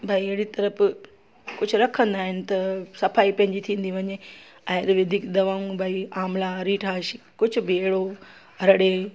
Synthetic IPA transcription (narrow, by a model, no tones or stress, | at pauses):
bʱaːiɐɦɪɽit̪ɐɾəf | kʊd͡ʑʱʊɾɐkʰə̃nd̪aːɦɪnɪ̆t̪ɐsɐfaːipɐ̃ɦɪ̃ɲd͡ʑit̪ʰĩːn̆d̪iʋɐɲe | ãːɾʋɐd̪ʱiːkd̪ɐʋaũbʱaːiaːmlaɾiːʈʰaːʃ | kʊd͡ʑʱʊ̆bɪeɦɽo | ɦɐɾɽe